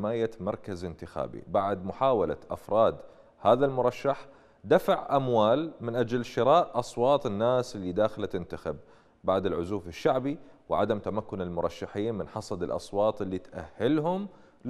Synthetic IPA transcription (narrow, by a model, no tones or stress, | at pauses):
maːjamɑɾˤkazɪnt̪ɪxa̰ːbḭbaʕd̪mʊħaːwala̰ʔa̰fɾˤɑːd̪ | haːðalmʊɾˤɑʃːaħ | d̪afaʕʔamwaːlmɪnʔad͡ʒalʃɪɾɑːʔʔɑsˤwɑːt̪ˤɪnːaːsʔɪlːid̪aːxɪlat̪ɪnt̪axab̚ː | aʕd̪ɪlʕʊzuːfɪʃːaʕbiwʕad̪amt̪amakːʊnɪlmʊɾˤɑʃːaħiːnmɪnħɑsˤɑd̪ɪlʔɑ̰sˤwɑːt̪ˤʔɪlːit̪ʔa̰hːɪlɦʊm